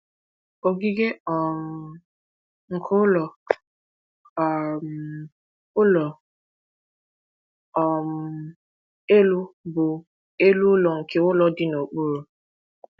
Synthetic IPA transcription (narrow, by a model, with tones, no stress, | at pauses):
o˨ɡi˦ɡe˦ɔ˨m̩˨ | ŋ̩˨kʰʊ˦lɔ˨ | m | ʊ˦lɔ˨ | ɔ˨m̩˨˦ | e˦lu˦bʊ˨ | e˦lu˦ʊ˦lɔ˨ŋ̩˨kʰe˦ʊ˦lɔ˨dɪ˦no˨k͡pu˦ɾu˨